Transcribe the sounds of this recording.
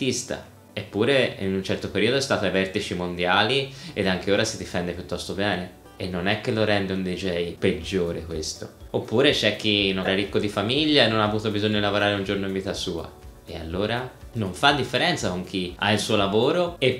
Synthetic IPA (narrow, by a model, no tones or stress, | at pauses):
ist̪a̰ | epːuːɾeḭnunt͡ʃɛrt̪opeɾiːod̪oɛst̪aːt̪avɛrt̪it͡ʃimond̪jaːlied̪aŋkeoːɾasid̪ifɛnd̪epjut̪ːɔst̪obɛːne | enːonɛkːelːoɾɛnd̪eund̪id͡ʒɛjped͡ʒːoːɾekwest̪o̰opːuːɾet͡ʃɛk̟ːinːoɾaɾikːod̪ifamiʎːaenːonaːvuːt̪obizoɲːod̪ilavoɾaːɾeund͡ʒoɾnoiɱviːt̪asuːa̰ | ea̰lːoːɾanoɱfad̪ːifːeɾɛnt̪sakoŋk̟ia̰ilsuːolavoːɾoe